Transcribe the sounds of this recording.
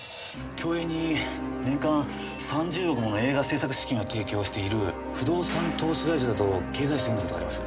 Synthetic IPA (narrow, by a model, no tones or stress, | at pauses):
kʲo̞ːeɲ̟ːi | nẽ̞ŋkãɰ̃ | sãɲd͡ʑɨːɾokɯ̟mo̞noe̞ːɡase̞ːsakɯ̟ɕi̥kʲĩɰ̃o̞t̪ʰe̞ːkʲo̞ːɕi̥t̪e̞iɾɯ̟ | ɸɯ̟d̪o̞ːsãnt̪o̞ːɕiɡaiɕad̪at̪o̞ke̞ːzaiɕit̪eɯnakotoaɾʲimasɨ̥